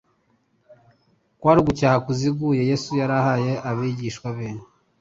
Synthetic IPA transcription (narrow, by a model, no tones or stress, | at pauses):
kwaːɾiɡucaːhakuziɡuje̞je̞sujaɾahaje̞ʔaβiɟiʃkwaβeːne